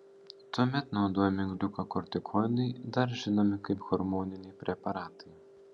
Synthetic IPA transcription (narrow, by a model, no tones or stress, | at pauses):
t̪ɔmʲɛt̪nɐd̪ɔmʲɪŋɡd̪ʲukɐkɔɾt̪ʲɪkʰɔjʲnɨjd̪ɐɾʒɪnɐmɪkɐpɣɔɾmɔnʲɪnʲijpɾʲɛpɐɾɑːt̪ɨj